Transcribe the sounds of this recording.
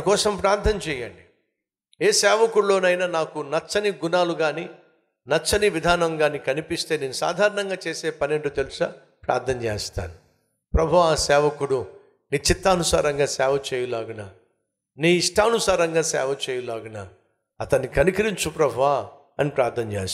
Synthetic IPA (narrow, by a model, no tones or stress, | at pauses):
kɔːsɐmpɾaːɾt̪ʰɐnt͡ʃɛːjɐɳɖi | eːsɛːʋɐkuɽlo̞ːnɐjnaːnaːkunɐt͡ʃːɐniɡunaːluɡaːni | nɐt͡ʃːɐniʋid̪ʱaːnɐŋɡaːnikɐnipist̪e̞ːneːnusa̰ːd̪ʱaːɾɐɳɐŋɡaːt͡ʃeːseːpɐneɳʈut̪elusɐ | pɾa̰ːɾt̪ʰːɐnt͡ʃḛːst̪a̰ːnu | pɾɐbʱuʋaːsɛːʋɐkuɽu | niːt͡ʃit̪ːaːnusaːɾɐŋɡaːsɛːʋɐt͡ʃeːjulaːɡunaː | niːʂʈɐːnusaːɾɐŋɡaːsɛ̰ːʋɐt͡ʃeːjulaːɡunaː | ɐt̪ɐnːikɐnikiɾiɲt͡ʃupɾɐbʱuʋaː | ɐnipɾaːɾt̪ʰːɐnt͡ʃḛːs